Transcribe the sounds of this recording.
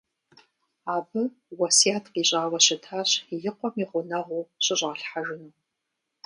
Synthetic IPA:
aːbɨ | wɐsiaːtʰqiːɕʼaːwɐɕɪtʰaːɕjɪqʷɔmiʁʷʊnɐʁʷuːɕʼɪɕʼʁaɬħaʒɪnuː

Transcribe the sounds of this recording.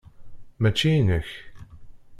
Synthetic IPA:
mæt͡ʃːinəç

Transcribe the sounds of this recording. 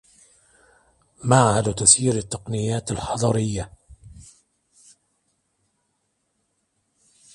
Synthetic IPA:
maʕhad̪t̪asiːɾat̪ːɑqnɪjːaːt̪alħɑd̪ˤɑɾɪjːa

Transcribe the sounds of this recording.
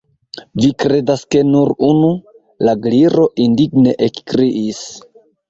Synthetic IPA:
vikɾe̞daske̞nuɾunu | laɡliɾo̞ʔindiɡne̞ʔekkɾiʔis

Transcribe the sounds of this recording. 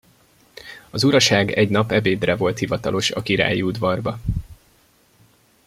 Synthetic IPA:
ɒzuɾɒʃaːɡɛɟnɒpɛbeːd̪rɛvo̞lt̪hivɒt̪ɒlo̞ʃɒkiɾa̰ːjiud̪vɒrbɒ

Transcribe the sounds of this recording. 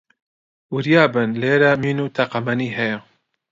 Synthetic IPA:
wɨɾjaːbɨnleːɾamiːnuːt̪ʰaqamɐniːɦɛja

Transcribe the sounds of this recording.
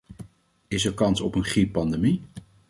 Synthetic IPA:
ɪsəɹkɑnsɔpənχripːɑndemi

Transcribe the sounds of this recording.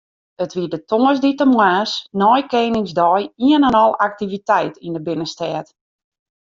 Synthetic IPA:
ətʋiədətoəsditəmwaːsnɔjkeːnɪŋzdɔjiənanɔlˠak̚tivitɛjtindəbɪnəstɛːt

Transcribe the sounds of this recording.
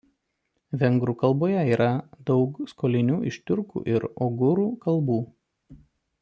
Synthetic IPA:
ʋʲɛŋɡɾʊkɐlˠboːjɛiːɾʔɐd̪ɒʊkskoːlʲɪnʲuːʔɪʃʲt̪ʲʊɾkṵːʔɪɾɔɡʊɾuːkɐlˠˑbuː

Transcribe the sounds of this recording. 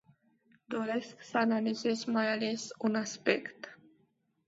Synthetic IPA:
d̪oɾe̞sksəanalize̞zmajale̞sunaspekt̪

